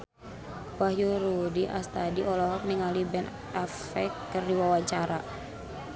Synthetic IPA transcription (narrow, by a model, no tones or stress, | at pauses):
bahjuɾudiʔast̪adiʔɔlɔɦɔk̚niŋalibɛn | af | ɛkːərdiwawaɲt͡ʃaɾa